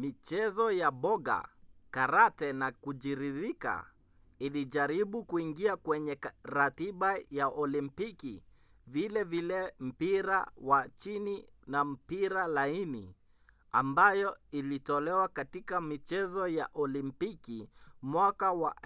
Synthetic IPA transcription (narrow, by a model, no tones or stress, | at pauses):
mit͡ʃɛzɔjaɓɔɡa̰kaɾatɛnakud͡ʒiɾiɾika̰ | iliʄaɾiɓukuiŋɡiakwɛɲɛɾatiɓajaʔɔlimpiki | vilɛvilɛm̩piɾa̰wat͡ʃini | nam̩piɾalainḭ | a̰mbajɔilitɔlɛwakatikamit͡ʃɛzɔjaʔɔlimpikimwakawa